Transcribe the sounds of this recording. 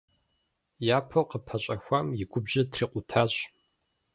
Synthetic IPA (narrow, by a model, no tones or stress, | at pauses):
jaːpʰoqəpʰɐɕʼɐxʷamjɪɡʷʊbʑɐtʰriːqʷʊtʰaːɕ